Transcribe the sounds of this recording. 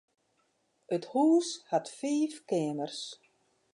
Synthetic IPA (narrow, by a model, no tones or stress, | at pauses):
ʔəthuːshatfiːfkɪənərs